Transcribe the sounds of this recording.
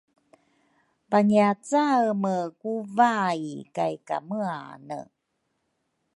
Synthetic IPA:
paɲiat͡saməkuvajkajka̰məanə̰

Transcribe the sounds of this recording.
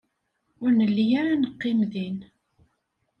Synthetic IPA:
ʊɾnəlːijaɾanəqːɪmðin

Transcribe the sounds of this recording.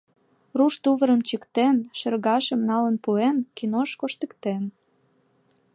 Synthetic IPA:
ruʃt̪uβəɾəmt͡ɕəkt̪enʃə̆rɣɑʃə̆mnɑlənpuenkinoʃkoʃt̪əkt̪en

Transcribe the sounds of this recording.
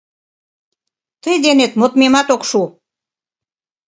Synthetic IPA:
t̪əjd̪enet̪mot̪memɑt̪okʃu

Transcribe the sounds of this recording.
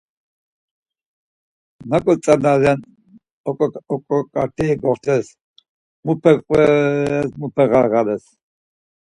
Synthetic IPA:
nakʼɔt͡sʼanaɾan | ɔkʼɔɔkʼɔkʼat̪ʰɛːɡɔχt̪ʰɛs | mupʰɛqʼɛsmupʰɛɣaɣalɛs

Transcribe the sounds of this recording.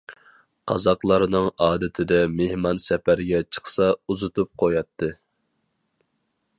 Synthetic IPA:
qʰɑ̰zɑqlˠɑɾnɨŋɑːd̪ɪt̪ʰɪd̪ɛmehmɑnsɛpæɾɡʲɛt͡ʃʰə̥χsɑuzut̪up̚qʰojɑt̪ʰːɨ

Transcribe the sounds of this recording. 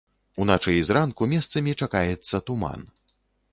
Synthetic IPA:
unat͡ʂɨjzrankumʲɛst̪sɐmʲit͡ʂakajɛt̪sːɐt̪uma̰n

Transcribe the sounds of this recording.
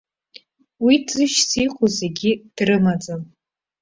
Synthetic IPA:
widzɨʃsiqʰʼozeɡʲɪd̥rɨmad͡zʼam

